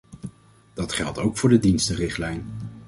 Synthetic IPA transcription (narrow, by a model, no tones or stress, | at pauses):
d̥ɑtχɛlˠtowkfʊːɹdədinstərɪχtlɛjn